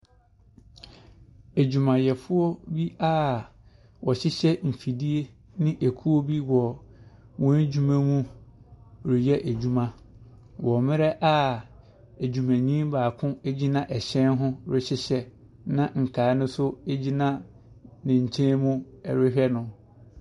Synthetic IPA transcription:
æ˨d͡ʑu˨mã˨jɛ˨fʊ˦ɔ˦bi˦a˦ | wɔ˨ɕɪ˦ɕɛ˦m̩˨fi˨di˦e˦ | nɪ̃˦ʔe˨kʰu˦o˦bi˦wɔ˨ | wɔ̃˦d͡ʑu˦mæ̃˦mũ˦ | ɾɪ˨jɛ˦ʔæ˨d͡ʑu˦mã˦ | wʔɔ˨mɪ̃˦ɾɛ˦ʔa˦ | æ˨d͡ʑu˨mæ̃˨ɲĩ˦mbaː˨kʰʊ̃˦e˦d͡ʑi˦nã˦ʔɛ˨ɕɛ̃˦nɦʊ̃˦ɾɪ˦ɕɪ˦ɕɛ˦ | nã˦ŋ̩˨kʰaː˨˦nʊ̃˦sʊ˦e˦d͡ʑi˦nã˦ | nɪ̃˨ɲ̩˨t͡ɕʰẽ˦mũ˦ɛ̰˨ɾɪ˦ɦᶣɛ˦nʊ̃˨

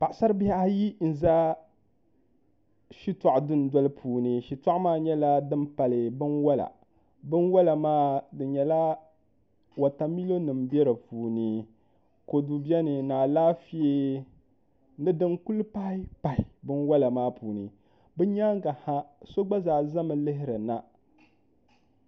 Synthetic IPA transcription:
pa˨ʔsa˦ɾbi˦ha˦a˦ji˦n̩˨za˦ | ʃi˦ta˨ʔdɨ˦n˨dɔ˦lɨ˦pʰuː˨nɨ˨ʃi˨ta˦ʔmaː˦˨ɲɛ˦la˦dɨ˦m˦pa˨lɨ˨bɨ˦nwa˦la̰˨ | bɨ˦nwa˦la˨maː˦dɨ˨ɲɛ˨la˦ | wa˨ta˨mi˦lo˦nɨ˨mbɛ˦ɾɨ˨puː˨nɨ˦ | ko˨du˨bjɛ˦nɨ˨naː˨laː˦fi˦e˦ | nɨ˦dɨ˦nku˦lpa˦ɪ˦pa˨ɪ˨bɨ˦nwa˦la˨maː˦puː˨nɨ̰˨ | bɨ˦ɲaː˦ŋ˦ɡa˨ha˦so˦ɡ͡ba˦zaː˨za˦mɨ˨lɨ˦ɦɪ˦ɾɨ˨na˦

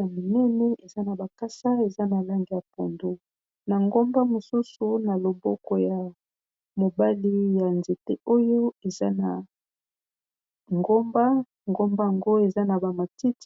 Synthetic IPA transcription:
a˨mo˨nɛ˦nɛ˦e˨za˦na˨ba˨ka˦sa˦e˨za˦na˨la˦ŋɡi˨ja˨po˨ndo˦ | na˨ŋɡo˦mba˦mo˨su˦su˨na˨lo˨bɔ̰˦kɔ˨ja˨ | mo˨ba˦li˦ja˨nze˨te˦o˦jo˦e˨za˦na˨ | ŋɡo˦mba˦ | ŋɡo˦mba˦ja˨ŋɡo˦e˨za˦na˨ba˨ma˨ti˦t

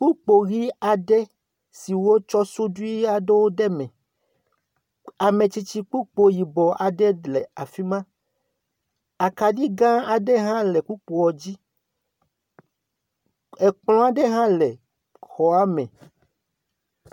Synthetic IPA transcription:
k͡pu˦k͡po˨ɣi˦a˨ɖɛ˦ | si˨wo˦t͡ʃɔ˦so˦du˦i˦a˦ɖe˦wo˦ɖɛ˦mɛ̃˨ | a˨mẽ˨t͡ɕi˦t͡ɕi˦k͡pu˦k͡po˦ji˨bɔ˨a˨ɖɛ˦le˨a˨fi˦mã˦ | a˨ka˨ɖi˦ɡã˦a˨ɖɛ˦ɦã˦lɛ˨ku˦k͡po˨wɔ˨d͡ʑi˦ | e˨k͡pl̃ɔ̃˦a˨ɖe˦ɦã˦le˨ | xɔ˨a˦mɛ̰̃˨

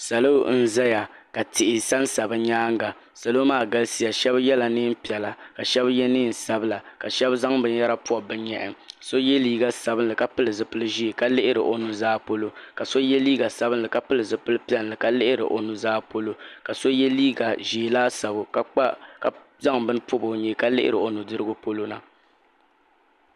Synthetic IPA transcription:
sa˨lo˦n̩˦za˦ja˨ka˨tɪ˨ʔɪ˨sa˦nsa˨bɨ˦ɲaː˦ŋɡa˨ | sa˨lo˦maː˦˨ɡa˦lsi˦ja˨ʃɛ˦bjɛ˦la˨nɨ˦m̩˦pi˨ɛ˨la˨ka˨ʃɛ˦bjɛ˦nɨː˦˨n̩˨sa˦bɨ˦la˨ka˨ʃɛ˦bza˦ŋbɨ˨ɲ˦ɛ˦ɾa˦pu˦ɔ˨bɨ˦ɲɛ˨ʔɛ̰˨so˦jɛ˦liː˦ɡa˦sa˨bɨ˦n˦lɨ˨ka˦pɨ˦lɨ˨zɨ˨pɨ˦lɨ˦ʒi˦e˨ka˦lɪ˦ʔɪ˦ɾɨ̰˨ʔo˨nu˦zaː˦po˦lo˦ka˨so˦jɛ˦liː˦ɡa˨sa˦bɨ˦nlɨ˨ka˦pɨ˦lɨ˨zɨ˨pɨ˦lɨ˦pi˦ɛ˦n˨lɨ˨ka˦lɪ˦ʔɪ˦ɾɨ̰˨ʔo˨nu˨zaː˦po˦lo˦ka˨so˦jɛ˦liː˦ɡa˨ʒi˨e˨laː˦sa˨bʊ˨ka˦k͡pa˦ka˦ | za˦ŋbɨ˦n˦pʊ˦bo˨ɲɛ˦ka˦lɪ˦ʔɪ̰˦ɾɨ˨o˨nu˨dɨ˦ɾɨ˦ɡʊ˦po˦lo˦na̰˨

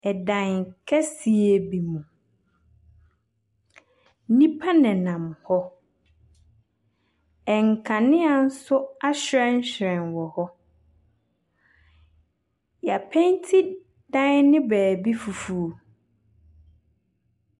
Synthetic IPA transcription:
ɛ˨dã˨n˨kʰɛ˦si˨e˦bi˨mũ˨ | nĩ˦pʰa˦nɛ̃˨nã˨m˨hɔ˦ | ɛ˨ŋ˨kʰã˨nɪ̃˦a˨n̩˦sʊ˦a˦ɕɪ˨ɾɛ˦n˦ɕɾɛ̃˨nwɔ˨hɔ˦ | ja˨pʰɛ̃˦ntʰi˦ | dã˦n˦nɪ̃˦bɛː˨bi˦fu˨fu˨

